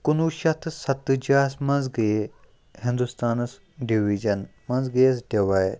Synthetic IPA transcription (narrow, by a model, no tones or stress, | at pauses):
kunuʃɐt̪ʰsɐt̪ːɨd͡ʒaːsmɐ̃nzɡe | hĩnd̪ust̪aːnɐs | ɖiʋid͡ʒɐnmɐ̃nzɡeːsɖeʋaːjɾ